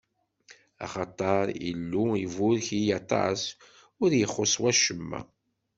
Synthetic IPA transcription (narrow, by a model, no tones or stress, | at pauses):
ɑ̰χɑt̪ˤɑɾˤḭlːuivʊɾçijɑt̪ˤɑ̰s | ʊɾjəχːoswæʃəmːæ̰